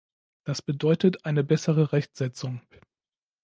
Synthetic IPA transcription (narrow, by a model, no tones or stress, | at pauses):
d̥asb̥ədɔʏtətʔaɪnəbɛsəʁəʁɛçtz̥ɛt͡sʊŋ